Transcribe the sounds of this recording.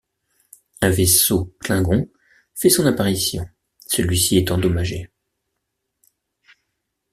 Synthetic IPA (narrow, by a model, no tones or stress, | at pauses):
ɛ̃vesoklɛ̃ɡɔ̃ | fɛsɔ̃napaʁisjɔ̃ | səlɥisiɛt̪ɑ̃d̪ɔmaʒe